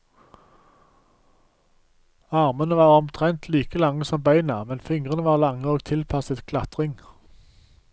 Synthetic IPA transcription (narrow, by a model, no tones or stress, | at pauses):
ɑʁmənəʋɑːʁɔmt̪ʰʁɛnt̪ʰliːkəlɑŋːəsɔmbæɪnɑmɛnfɪŋʁənəʋɑːʁlɑŋːəoːɡt̪ʰɪlpʰɑsət̪kʰlɑt̪ʁɪŋ